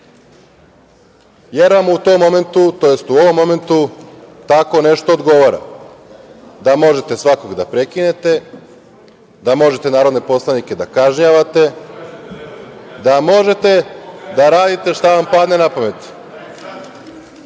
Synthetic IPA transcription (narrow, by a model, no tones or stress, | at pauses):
jeɾʋamuut̪o̞mːo̞me̞nt̪ut̪o̞je̞st̪uo̞ʋo̞mːo̞me̞nt̪ut̪ako̞ne̞ʃt̪o̞ːd̪ɡo̞ʋoɾa̰ | d̪amo̞ʒe̞t̪e̞sʋako̞ɡd̪apɾe̞kine̞t̪e̞ | d̪amo̞ʒe̞t̪e̞naːɾo̞d̪ne̞po̞slˠanike̞d̪akaʒɲaʋat̪e̞ | d̪amo̞ʒe̞t̪e̞d̪aɾaːd̪it̪e̞ʃt̪aʋampad̪ne̞napame̞t̪